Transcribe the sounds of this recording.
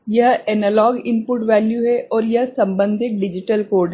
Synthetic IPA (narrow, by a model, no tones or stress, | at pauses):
jɐɦɛːnəlɔːɡɪnpʊʈʋɛːljuɦɛʔɔːɾjɐɦsɐ̃mbə̃nd̪ʱɪʈ̪̚ɖɪd͡ʒɪʈəlkoːɖ